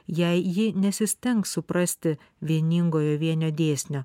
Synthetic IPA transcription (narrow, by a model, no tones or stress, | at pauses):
jɛɪjɪnʲɛsʲɪsʲt̪ʲɛŋksʊpɾɐsʲt̪ʲɪ | ʋʲiɛnʲɪŋɡoːjoːʋʲiɛnʲoːd̪ʲeːsʲnʲo